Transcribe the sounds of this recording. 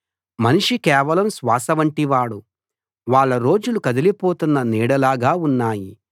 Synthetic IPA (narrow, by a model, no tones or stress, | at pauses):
mɐniʂikɛːʋɐlɐmsʋaːsɐʋɐɳʈiʋaːɽu | ʋaːɭːɐɾo̞ːd͡ʒulukɐd̪ɐlipoːt̪unːɐniːɽɐlaːɡaːunːaːji